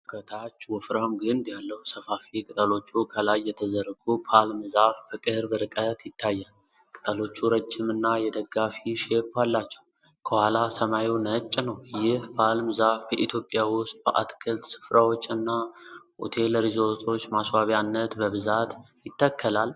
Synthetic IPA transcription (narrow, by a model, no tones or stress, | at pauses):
kʰət̪ʰat͡ʃːwɔfɾamɡɨnd̪jalːəwsəfafikʼɨt̪ʼəlo̞t͡ʃːukʰəlajːɛt̪ʰəzəɾɡupʰalmɨzafbəkʼɨɾbəɾɨkʼət̪jɪt̪ʰːajːal | kʼɨt̪ʼəlo̞t͡ʃːuɾəd͡ʒːɪmɨnːajɛd̪əɡːafiʃe̞pːalːat͡ʃːɛ̥w | kʰəhwalasəmajiwnət͡ʃʼːnəwjɪhpʰalmɨzafbəʔit̪ʰjo̞pʼːjawʊst̪ʼbəʔa̰t̪kʰəlt̪sɨ̥fɾawo̞t͡ʃːɨnːaʔo̰t̪ʰe̞ləɾizot̪ʰʼo̞t͡ʃːmaswaβjanːət̪bəβɨzat̪ | jɪt̪ːəkʰːəlal